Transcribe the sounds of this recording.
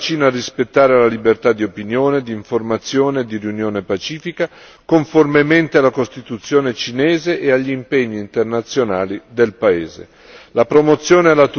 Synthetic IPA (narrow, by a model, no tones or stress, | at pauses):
t͡ʃiːnarispet̪ːaːɾelalibert̪ad̪ːiopinjoːned̪iːɱformat̪sːjoːned̪irjunjoːnepat͡ʃiːfika | koɱformement̪ealakost̪it̪ut̪sːjoːnet͡ʃinɛːzeʔeaʎːiiːmpeɲːiːnt̪ernat̪sːjonaːlid̪elpaeːzḛ | lapɾomot̪sːjoːnealat̪u